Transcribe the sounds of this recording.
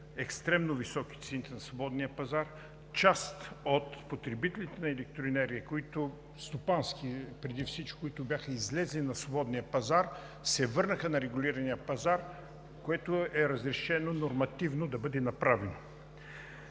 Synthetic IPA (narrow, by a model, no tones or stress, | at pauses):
ɛkst̪ɾɛmnovisɔk̟i̥t̪sɛnit̪ɛnɐsvobɔd̪nijəpɐzaɾ | t͡ʃast̪ot̪pot̪ɾɛbit̪ɛlit̪ɛnɐɛlɛk̚t̪ɾoinɛɾiəkoit̪o | st̪opanskipɾɛd̪ifsit͡ʃkʲi̥koit̪ʊbʲjaxəizlɛzlinɐsvobɔd̪nijəpɐzaɾ | sɛvɤɾnəxənɐɾɛɡʊlʲiɾɐnijəpɐzaɾ | koɛt̪oɛɾɐzɾɛʃɛnonoɾmɐt̪ivnod̪ɐbɤd̪ɛnɐpɾavɛno